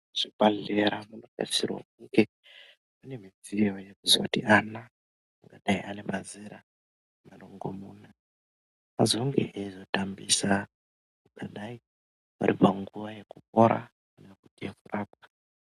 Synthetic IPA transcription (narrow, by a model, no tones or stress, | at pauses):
ʐ̥ikaɮeɾamunoka̰isirwo̰k̚uke | mane̞mid͡zijo̞jekuzo̰tiʔana | aŋɡaɗaiʔanemazeɾa | manoŋɡo̰muna | azoŋɡḛʔezo̞tambisa | ukaɗai | waɾipaŋɡuʋajekup̚oɾa̰ | anekutiekuraːp̚ḁ